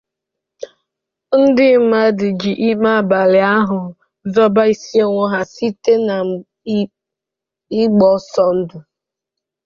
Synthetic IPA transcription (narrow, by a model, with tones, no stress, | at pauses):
n̩˦dɪ˦m̩˦ma˦dɪ˨d͡ʒi˨ʔi˦ma˦˨ba˨lɪ˨a˦ɦʊ˨ | zɔ˦ba˦i˦si˦e˦ŋʷo˦ɦa˨si˦te˦na˨ | ɪ˦ɡ͡bɔ˨˦sɔ˦n̩˦du˨